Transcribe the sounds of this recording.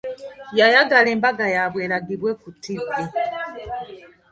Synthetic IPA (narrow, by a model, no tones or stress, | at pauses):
jajaɡale̞ːmbaɡajaβwe̞ːɾaɡiβwe̞kutːike